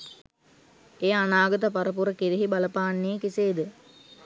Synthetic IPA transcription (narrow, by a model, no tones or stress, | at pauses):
eːanaːɡɐt̪̬əpaɾəp̬uɾəkiɾiɦibaləpaːnːeːkiseːd̪ə